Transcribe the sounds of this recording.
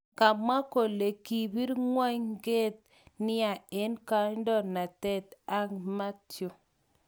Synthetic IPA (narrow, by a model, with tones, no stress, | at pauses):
ka˨ma˦ko˨le˨ki˨βi˦ɾŋwa˦ɲŋɡe˦t̚ | nɪ˦a˨e˦nka˦ndɔ˦˨na˨tɛ˦t̪a˦ŋma˦tjo˦